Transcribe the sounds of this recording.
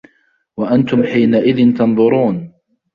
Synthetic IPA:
waʔant̪ʊmħiːnaʔɪðɪnt̪ɑnðˤʊɾuːn

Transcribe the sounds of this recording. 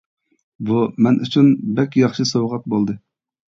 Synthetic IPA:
bumɛnʔyt͡ʃʰynbɛkʲjɑχʃɨsowʁɑt̪̚bolˠd̪ɨ

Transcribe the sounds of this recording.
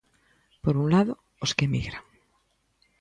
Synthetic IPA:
poɾunlaðo | oskemiɣɾaŋ

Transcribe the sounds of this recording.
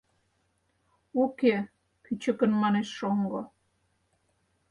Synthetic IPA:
okʲe | kyt͡ɕə̆kə̆nmɑneʃːoŋɡo

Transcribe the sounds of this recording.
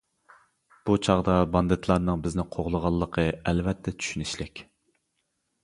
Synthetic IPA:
b̥ut͡ʃʰɑʁd̪ɑbɑnd̪ɨt̪ʰlˠɑɾnɨŋbɪznɪqʰoʁlˠəʁɑlˠːəqʰəɛlvɛt̪ʰːɛt͡ʃʰy̥ʃynɪʃlɪkʲ

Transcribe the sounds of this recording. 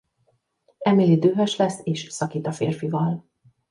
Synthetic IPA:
ɛmilid̪øːɦøʃlɛsːeːʃsɒkiːt̪ɒfeːrfivɒl

